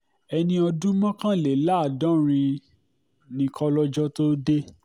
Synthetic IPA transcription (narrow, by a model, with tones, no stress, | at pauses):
ɛ˧nĩ˧ɔ˧dũ˦mã˦kã˦le˨la˦˨dɔ̃˦ɾ̃ĩ˧ | nĩ˧kʰɔ˧lɔ˦d͡ʒɔ˦to˦de˦